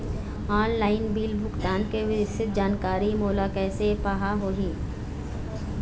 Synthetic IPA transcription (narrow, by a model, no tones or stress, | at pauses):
aːnlaːɪnbiːlbʱʊkt̪aːnkeʋɪsɪt̪̚d͡ʒaːnkaːɾimoːlakɛːsepaːɦaɦoːɦĩː